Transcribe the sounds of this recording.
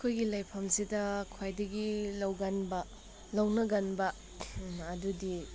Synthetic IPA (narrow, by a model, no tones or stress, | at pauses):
kʰojɡilajpʰɐmsidɐkʰwajdɐɡilɐwɡɐnbɐ | lɐwnɐɡɐnbɐ | ɐdudi